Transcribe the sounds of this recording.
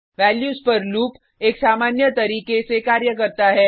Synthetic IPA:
ʋɛːljuːspɐɾluːp | eːksaːmaːnjət̪ɐɾiːkesekaːɾjəkəɾt̪aɦɛː

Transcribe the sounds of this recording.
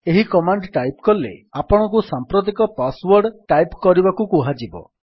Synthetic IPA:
eɦikɔmaɳɖʈajp̚kɔlḛapɔɽ̃ɔkusampɾot̪̬ikɔpaswɔɾɖʈajpkɔɾibakukuɦad͡ʒibɔ̰

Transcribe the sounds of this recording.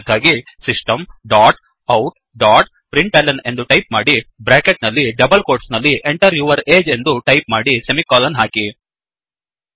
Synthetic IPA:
d̪ʱaːɡisisʈɐmɖaːʈ | ɐwʈ | ɖaːʈ | pɾiɳʈeːlɐne̞nd̪uʈɐjp̚maːɽibɾaːkeʈ̚nɐlːiɖɐbɐlkoːɾʈsnɐlːiʔeɳʈɐɾjuːʋɐɾeːd͡ʒe̞nd̪uʈɐjp̚maːɽisemikaːlɐnɦaːki

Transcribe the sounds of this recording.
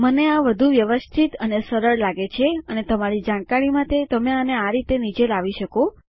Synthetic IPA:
məneaʋəd̪ʱuʋjəʋəst̪ʰit̪ənesəɾəɭlaɡet͡ʃʰeənet̪əmaɾid͡ʒãɽ̃kaɽimãt̪et̪əmeəneaɾit̪enid͡ʒelaʋiʃəko

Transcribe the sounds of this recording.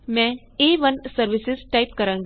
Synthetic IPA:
mɛ̃ː | eːʋənsəɾʋɪsɪzʈaɪpkɐɾãːŋɡa

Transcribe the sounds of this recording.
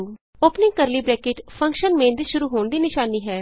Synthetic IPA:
oːpnɪ̃ŋɡkəɾliːbɾɛːkɪʈpʰə̃ŋkʃənmẽːnd̪iʃʊɾuːɦoːɳd̪iːnɪʃaːniːɦɛː

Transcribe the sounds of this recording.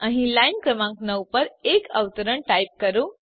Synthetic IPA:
ãɦĩlajnkɾəmãŋknəwpəɾekə̰ʋt̪əɾəɳʈajp̚kəɾu

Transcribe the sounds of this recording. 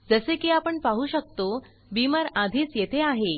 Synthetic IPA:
d͡zəsekiːapəɳpaɦuːɕək̚t̪o | bimaɾad̪ʱiːt͡sjet̪ʰeaɦe

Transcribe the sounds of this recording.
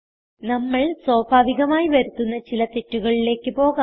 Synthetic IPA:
nɐmːɐɭsoːbʱaːʋiɣɐmaːjiʋɐɾut̪ːunːɐt͡ɕilɐt̪e̞ʈːuɣɐɭile̞ːkːɨpo̞ːɣa

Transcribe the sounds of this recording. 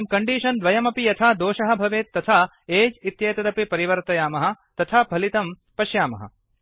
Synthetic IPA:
mkɐɳɖiːʃɐnd̪ʋɐjɐmɐpijɐt̪ʰaːd̪oːʃɐɦɐ̆bʱɐʋeːt̪ːɐt̪ʰa | eːd͡ʒit̪jɐːt̪ɐd̪ɐpipɐɾiʋɐɾt̪ɐjaːmɐɦɐ̆t̪ɐt̪ʰabʱɐlit̪ɐm | pɐʃjaːmɐ̰ɦɐ̰

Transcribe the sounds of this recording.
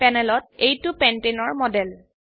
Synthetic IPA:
pɛnɛlɔt̚ejtupɛntenɔɹmɔdɛl

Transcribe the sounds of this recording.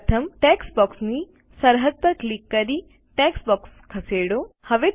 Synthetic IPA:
t̪ʰəmʈeksbɔːksni | səɾɦəd̪̚pəɾklikːəɾi | ʈeːksbɔːkskʰəseɽohəʋe

